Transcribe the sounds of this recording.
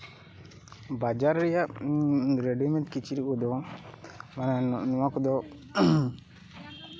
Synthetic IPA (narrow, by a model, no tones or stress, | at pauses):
bad͡ʒaɾɾɛjaʔ | ɾɛɖɔmɛ̃nt̪kit͡ʃiɾikɔd̪ɔ | mananɔwakɔd̪ɔ